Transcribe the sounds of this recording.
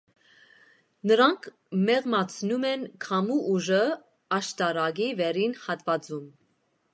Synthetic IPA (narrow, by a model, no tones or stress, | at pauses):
nəɾɑŋkʰ | mɛʁmɑt͡sʰnumɛnkʰɑmuʔuʒə | ɑʃt̪ɑɾɑɡivɛɾinhɑt̪vɑd͡zum